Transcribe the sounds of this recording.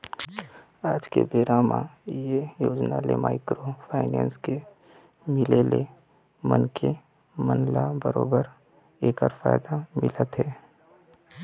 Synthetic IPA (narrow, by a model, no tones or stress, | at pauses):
aːd͡ʒkḛbeːɾamã̰jejoːd͡ʒnalemaːɪkɾopʰaːɪnɛ̃ːnske | mɪlele | mənkʰe | mənlabəɾo̰ːbəɾ | eːkɔɾfa̰ːjd̪amɪlət̪ɦɛː